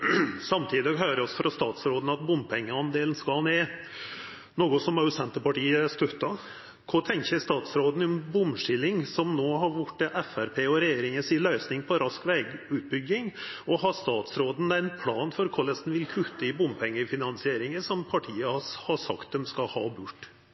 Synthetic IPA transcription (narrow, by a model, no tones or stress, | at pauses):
sɑmt̪ʰiːd̪ɔɡɦœːɾəɔsfɾɑst̪ɑːt̪sɾoːd̪n̩ɑt̪̚bʊmpʰɛŋːəɑnd̪eːln̩skɑlneː | noːɡʊsɔmɑʉsɛnt̪əpɑʈiːəst̪œt̪ːɑ | kʰɔt̪ʰɛŋçəst̪ɑːt̪sɾoːd̪n̩ɪɔnbʊmʂɪlːɪŋsɔmnoːɦɑɾʋʊʈːɛʔɛfæɾpʰeːɔɾɛjeːɾɪŋəsɪlœʏsnɪŋpʰɔɾʔɑskʋɛːɡʉːt̪̚bʏɡːɪŋɔhɑst̪ɑːt̪sɾoːd̪n̩æɪnpʰlɑːnfɔɾkʰɔlɛst̪n̩ʋɪlkʰʉt̪ːəɪbʊmpʰɛŋːəfɪnɑnsɪeːɾɪŋəsɔmpʰɑʈʰiːəhhɑsɑ̰kt̪̚d̪ɛmskɑhɑ̰ːbʉʈː